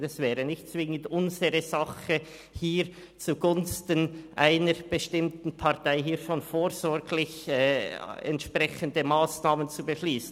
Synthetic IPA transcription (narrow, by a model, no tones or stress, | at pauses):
ɛsv̥ɛːʁənɪçtt͡svɪŋəndʊnzəʁəzɑχə | hiːɾ | t͡suɡʊnstənʔa̰ɪnəɾb̥əʃtɪmtn̩pʰɑʁtaɪɦiːɐʃoːnfoːɾz̥ɔɾɡlɪçɛɛ̰ntʃpʁɛçəndəmaːsnaːmənt͡subəʃliːsn